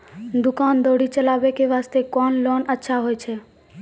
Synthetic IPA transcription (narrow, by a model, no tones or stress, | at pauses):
d̪ukaːnd̪oɽit͡ʃəlaːbekeʋast̪ekɔnlɔnətːʃʰaɦojt͡ʃʰɛ